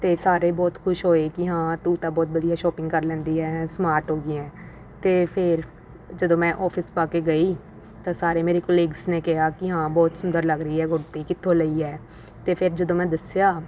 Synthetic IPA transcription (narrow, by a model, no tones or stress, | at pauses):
t̪eːsaːɾeːbɔːt̪kʰʊʃɦoːeːkɪɦãːt̪uːt̪aːbɔːt̪̚bəd̪ijaːʃɔːpɪ̃ŋɡkəɾlɛ̃ːnd̪iːɦɛːsmaːɾʈɦoːɡɪɛ̃ː | t̪eːpʰɪɾ | d͡ʒəd̪õːmɛ̃ːʔɔːpʰɪspaːkeːɡəiː | t̪ãːsaːɾeːmeːɾeːkɔːliːɡzneːkɪɦaːkɪɦãːbɔːt̪sʊnd̪əɾləɡɾəiːɛːɡʊɾt̪eːkɪt̪ʰːõːləiːɛː | t̪eːpʰɪɾd͡ʒəd̪õːmɛ̃ːd̪əsjaː